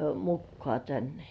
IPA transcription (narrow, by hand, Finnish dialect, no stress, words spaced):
mukːŏɑˑ tænːe